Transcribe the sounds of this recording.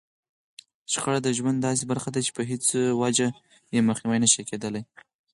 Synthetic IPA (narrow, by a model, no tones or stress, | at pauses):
ʃxaɽad̪əʒwand̪ːɑs̬ebaɾxad̪at͡ʃe̥pəɦɪt͡swad͡ʒa | jeməxniwajnəʃiked̪əlaj